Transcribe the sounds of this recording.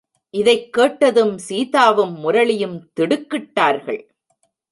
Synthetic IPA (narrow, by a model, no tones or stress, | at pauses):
ʔɪðɐɪkːeːʈːɐðɯmsiːðaːʋɯmːʊɾɐɭɪjɯmt̪ɪɽɯkːɪʈːaːɾɣɐ̰ɭ